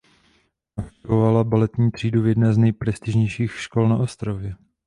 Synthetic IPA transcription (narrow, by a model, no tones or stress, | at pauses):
ʔak̚t̪ɪvovalabalɛt̪ɲiːt̪r̥iːduvjɛdnɛːznɛjpɾɛst̪ɪʒɲɛjʃiːxʃko̞lnaʔo̞st̪ɾavjɛ